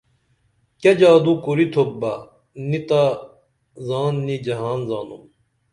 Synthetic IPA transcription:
kɐd͡ʑaːd̪ukuɾit̪ʰobːɐ | nit̪a | zaːnːid͡ʑɐɦaːnzaːnum

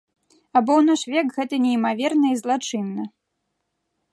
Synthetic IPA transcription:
ɐbɔwnɔʂvʲɛkɣɛt̪ɐnʲɛimavʲɛrnɐizlˠat͡ʂɨnːɐ

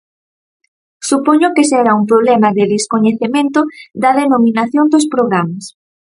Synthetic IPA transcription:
supoɲʊkesɛɾaumpɾoβlɛmɐðeðeskoɲeθemẽnt̪ʊd̪ɐðenomĩnaθjond̪ospɾoɣɾamɐs

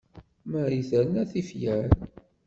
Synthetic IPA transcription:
mæɾiθəɾnæθifjæn

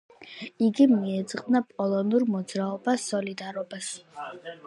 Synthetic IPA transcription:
iɡimiɛd̪zʼqʼvnapʼɔlˠɔnuɾmɔd̪zɾaɔbasɔlid̪aɾɔbas

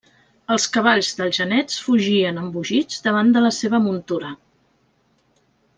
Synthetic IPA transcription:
əlˠskəβ̞aʎzðəlˠʒənɛt͡sfuʒiənəmbuʒid͡zd̪əβ̞and̪ələseβ̞əmunt̪uɾə

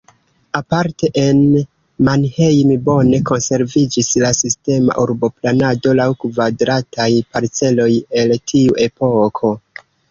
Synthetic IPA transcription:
apaɾte̞ʔen | manhejmibo̞ne̞ko̞nse̞ɾvid͡ʒislasiste̞ma̰ʔuɾbo̞planado̞lawkvadɾatʰajpaɾt͡se̞lo̞je̞ltʰiuʔe̞po̞kʰo̞

